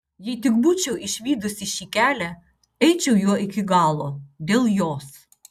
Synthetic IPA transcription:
jɛjt̪ɪk̚but͡ʃɛwɪʃʋʲid̪ʊsʲiʃikʲælʲɛ | ɛjt͡ʃɛwjɔʔɪkʲɪɡɑlˠɔd̪ʲɛlˠjɔs

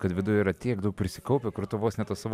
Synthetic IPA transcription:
kɐt̪ʋʲɪd̪ʊjɛiːɾɐt̪ʲiɛkd̪ɐʊkpʲɾʲɪsʲɪkɐʊpʲɛkɾʊt̪ʊʋoːsnʲɛt̪ɐsɑːʋ

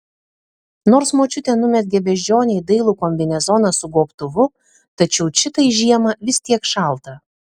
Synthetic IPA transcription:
noːɾsmoːt͡ʃʲʊt̪ʲɛːnʊmʲɛt̪̚ɡʲɛbʲɛʒʲd͡ʒʲoːnʲɛɪd̪ɐɪlˠʊkoːmʲʋʲɛnʲɛzɔːnɐsʊɡoːpt̪ʊʋʊ | t̪ɐt͡ʃʲɛʊt͡ʃʲɪt̪ɐɪʒʲiɛmɐʋʲɪsʲt̪ʲiɛkʃɐˑlˠt̪ɐ

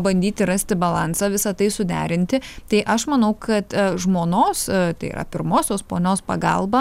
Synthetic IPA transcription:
bɐnʲd̪ʲiːt̪ʲɪɾɐsʲt̪ʲɪbɐlˠɑnsɑːʋʲɪsɐt̪ɐɪsʊd̪ʲæːɾʲɪnʲt̪ʲɪt̪ɐɪʔɐʃmɐnɐʊkʰɐt̪ʒmoːnoːst̪ɐɪḭːɾʔɐ̰pʲɪɾmoːsʲoːspoːnʲoːspɐɡɑ̰lˠbɐ

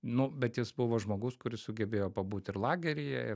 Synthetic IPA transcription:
nʊbʲɛt̪jɪsbʊʋoːʒmoːɡʊskʊɾʲɪssʊɡʲɛbʲeːjoːpɐbuːt̪ʲɪɾlˠɑːɡʲɛɾʲɪjɛ̰ɪ

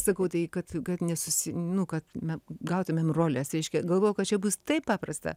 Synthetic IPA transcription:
sɐkɐʊt̪ɐɪkɐt̪kɐt̪nʲɛsʊsʲɪnʊkɐt̪mʲɛɡɐʊt̪ʊmʲeːmroːlʲɛsɾʲɛɪʃʲkʲɛɡɐlˠʋoːjɛʊkɐt̪t͡ʃʲɛbust̪ɐɪppɑːprɐst̪ɐ̰

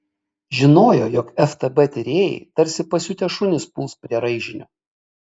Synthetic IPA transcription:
ʒʲɪnoːjoːjoːkɛft̪ɐbɛt̪ʲɪɾʲeːjɛ̰ɪt̪ɐɾʲsʲɪpɐsʲuːt̪ʲɛʃʊnʲɪspʊːspʲɾʲiɛɾɐɪʒʲɪnʲoː

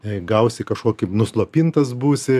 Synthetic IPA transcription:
ɡɐʊsʲɪkɐʃkoːkʲɪnʊslˠoːpʲint̪ɐsbuːsʲɪ

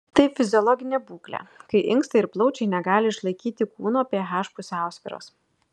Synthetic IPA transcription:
t̪ɐɪfʲɪzʲɪɔlˠɔːɡʲɪnʲebuːklʲɛ̰kɐɪʔɪŋˑkst̪ɐɪɪɾplˠɒʊt͡ʃʲɛɪnʲɛɡɑːlʲɪɪʃlˠɐɪkʲiːt̪ʲɪkuːnoɐpʲeɛɦæːʃpʊsʲæˑʊsʲʋʲeːɾo̰ːs

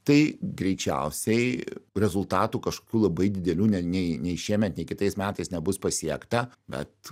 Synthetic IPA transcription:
t̪ɐɪɡɾʲɛɪt͡ʃʲɛ̰ʊsʲɛɪɾʲɛzʊlˠt̪ɑːt̪uːkɐʃko̥ːkʲuːlˠɐbɐɪd̪ʲɪd̪ʲɛlʲuːnʲɛnʲɛɪnʲɛɪʃʲiɛmʲɛt̪nʲɛɪkʲɪt̪ɐɪsmʲæːt̪ɐɪsnʲɛbʊspɐsʲiɛkt̪ɐbʲɛ̰t̪

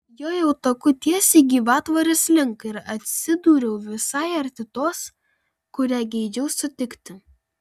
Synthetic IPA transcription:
joːjɛʊt̪ɐkʊt̪ʲiɛsʲiɡʲiːʋɑːt̪ʋɐɾʲɪslʲɪŋkɪɾɐt̪ʲsʲɪd̪uːɾʲɛʊʋʲɪsɐˑɪɐɾʲt̪ʲɪt̪oːs | kʊɾʲæːɡʲɛɪd͡ʒʲɛʊsʊt̪ʲɪkt̪ʲɪ

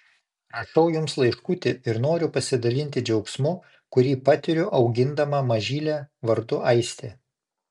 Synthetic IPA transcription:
ɾɐʃɐʊjʊmslˠɐɪʃkut̪ʲɪɪɾnoːɾʲʊpɐsʲɪd̪ɐlʲɪnʲt̪ʲɪd͡ʒʲɛʊksmʊ | kʊɾʲiːpɑt̪ʲɪɾʲʊʔɒʊɡʲɪnd̪ɐmɑmɐʒʲiːlʲæːʋɐɾd̪ʊʔɐɪsʲt̪ʲeː

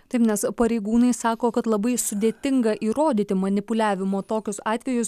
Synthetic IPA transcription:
t̪ɐɪpnʲɛspɐɾʲɛɪɡuːnɐɪsɑːkoːkɐt̪lˠɐbɐɪsʊd̪ʲeːt̪ʲɪŋɡɐʔiːɾoːd̪ʲiːt̪ʲɪmɐnʲɪpʊlʲæːʋʲɪmoːt̪oːkʲʊsɑːt̪ʲʋʲɛjʊs

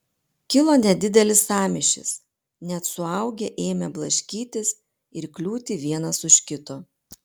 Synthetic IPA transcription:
kʲɪlˠoːnʲɛd̪ʲɪd̪ʲɛlʲɪsɑːmʲɪʃʲɪ̰s | nʲɛt̪sʊɐˑʊɡʲeʔeːmʲɛblˠɐʃʲkʲiːt̪ʲɪs | ɪɾklʲuːt̪ʲɪʋʲiɛnɐsʊʃʲkʲɪt̪oː

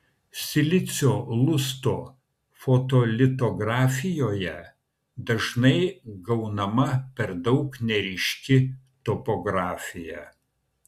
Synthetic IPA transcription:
sʲɪlʲɪt̪sʲoːlˠʊst̪oː | fot̪olʲɪt̪oɡɾɑːfʲɪjoːjɛ | d̪ɐʒnɐɪɡɐʊnɐmɐpʲɛɾd̪ɒʊknʲɛɾʲɪʃʲkʲɪ | t̪ɔpɔɡɾɑːfʲɪjɛ

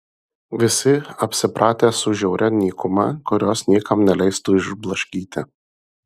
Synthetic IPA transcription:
ʋʲɪsʲɪɐpʲsʲɪpɾʔɑːt̪ʲeːsʊʒʲɛʊɾʲɛnʲiːkʊmɐ̰kʊɾʲoːsnʲiɛːkɐmnʲɛlʲɛɪst̪uːɪʒblˠɐʃʲkʲiːt̪ʲɪ̰

